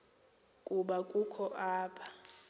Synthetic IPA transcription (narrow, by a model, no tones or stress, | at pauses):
kʼuɓakʼukʰɔʔaːpʰḁ